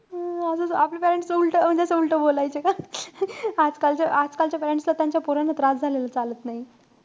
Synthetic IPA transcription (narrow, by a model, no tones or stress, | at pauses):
əsəaplepɛɾeɳʈsulʈəm̤əd͡ʑeasəulʈəbolajt͡ɕeka | ad͡zkalt͡ɕjaʔad͡zkalt͡ɕjapɛɾeɳʈslat̪jãɲt͡ɕjapoɾanat̪ɾad͡zd͡zʱalelət͡salət̪naɦi